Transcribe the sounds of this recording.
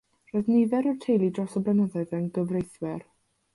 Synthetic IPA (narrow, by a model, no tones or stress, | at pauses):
r̥ɔðniðɛɾɔrtʰejlˠidrɔsɔblɛnəðaɨðənɡəvrejθwɛr